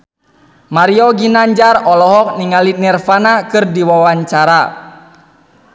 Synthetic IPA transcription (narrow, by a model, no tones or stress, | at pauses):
maɾiɔɡinaɲd͡ʒarɔlɔɦɔk̚niŋalinɛrfanakɨrdiwawaɲt͡ʃaɾa